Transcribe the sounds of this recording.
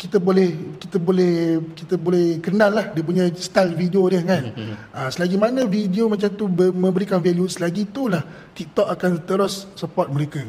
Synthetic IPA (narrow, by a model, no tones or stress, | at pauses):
kit̪abolɛhkit̪abolɛkit̪abolɛhkənalːahdiəp̬uɲajst̪alfidiodəhkan | asəlaɡimanə̃fidiomat͡ʃamt̪ubəmə̃mbəɾikanveljusəlaɡit̪ulah | t̪ik̚t̪ɔk̚akant̪əɾosːəpɔt̪̚məɾeka